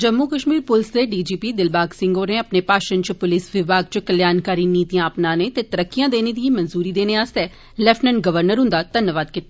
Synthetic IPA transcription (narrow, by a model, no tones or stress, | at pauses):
d͡ʒəmːuːkəʃmiːɾpʊlsd̪eːɖiːd͡ʒiːpiːd̪ɪlbaːɡsɪ̃ŋɡoːɾẽːəpneːpaːʃənt͡ʃpʊlɪsʋɪʋaːɡ̚t͡ʃkəljaːnkaːɾiːniːt̪ijãːəpnãːnẽːt̪eːt̪əɾəkːijãːd̪eːneːd̪iĩːmənzuːɾiːd̪eːneːaːst̪ɛː | lɛpʰnəɳɡəʋəɾnəɾɦʊ̃nd̪aːt̪ənːəʋaːd̪kɪt̪ː